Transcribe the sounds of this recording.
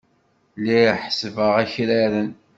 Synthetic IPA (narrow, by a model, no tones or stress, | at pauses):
liħsəvəʁæçɾæɾən